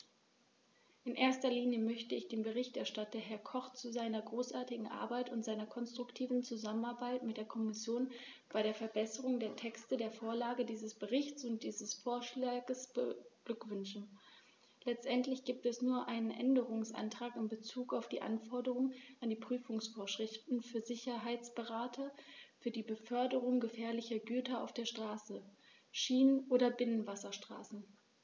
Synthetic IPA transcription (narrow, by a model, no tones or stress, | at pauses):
ʔɪnʔeːɐstɐliːnjəmœçtəɪçd̥eːnbəʁɪçtɛɐʃtatɐhɛɐkʰɔχt͡suzaɪnɐɡʁoːsʔaɐtɪɡŋ̩ʔa̰ɐbaɪtʊntz̥aɪnɐkʰɔnstʁ̥ʊktʰiːvn̩t͡suzamənaɐbaɪtmɪt̚d̥eːɐkʰɔmɪsjoːn | b̥aɪɾeːɐfɛɐbɛsəʁʊŋdeːɐtʰɛkstədeːɐfoːɐlaːɡədiːzəsb̥əʁɪçt͡sʊnt̚d̥iːzəsfoːɐʃlaːɡəsb̥əɡ̥lʏkv̥ʏnʃn̩ | lɛt͡stʔɛntlɪçɡ̥iːp̚tɛsnuːɐʔaɪnənʔɛ̰ndəʁʊŋsʔa̰ntʁ̥aːkɪmbət͡suːkaʊfd̥ḭːʔa̰nfɔɐdəʁʊŋʔandiːpʁ̥yːfʊŋsfoːɐʃʁ̥ɪftn̩fyːɐzɪçɐɦaɪt͡sb̥əʁaːtʰɐfyːɐdiːbəfœɐdəʁʊŋɡəfɛːɐlɪçɐɡyːtɐa̰ʊfd̥eːɐʃtʁ̥aːsə | ʃiːnənʔoːɾɐbɪnənvasɐʃtʁ̥a̰ːsn̩